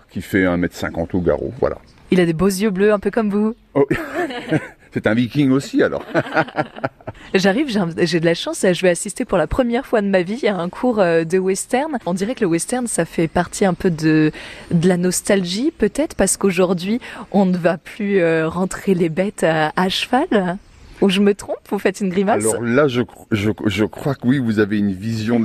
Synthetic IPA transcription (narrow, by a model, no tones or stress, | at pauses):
kʲifɛɛ̃mɛt̪sɛ̰̃kɑ̰̃t̪oɡa̰ʁo̰vwa̰la̰ | ilad̪ebozjøbløɛ̃pøkɔmvu | sɛt̪ɛ̃vikʲiŋosialɔ̰ʁ | ʒaʁivʒɛ̃ʒed̪əlaʃɑ̃sʒəvɛasist̪epuʁlapχəmjɛʁfwad̪əmaviaɛ̃kʰuʁød̪əwɛst̪ɛʁnɔ̃d̪iʁɛkələwɛst̪ɛʁnsafɛpaʁt̪ʰiɛ̃pød̪əd̪əlanɔst̪alʒipøt̪ɛt̪χəpaʁsə̥koʒuʁd̪ɥiɔ̃nəvaplyøʁɑ̃t̪χelebɛt̪aaʃfal | uʒəmət̪χɔ̃pvufɛt̪ynɡʁimalsɔʁlaʒəkʒəʒəkχwakəwivuzaveynvizjɔ̃